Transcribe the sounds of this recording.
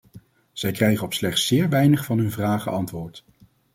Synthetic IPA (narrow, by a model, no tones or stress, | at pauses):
z̥ɛjkrɛjχəɔpslɛχtsɪːɹʋɛjnəχfɑnɦɵnvraːχə̰ʔɑntʋʊːɹt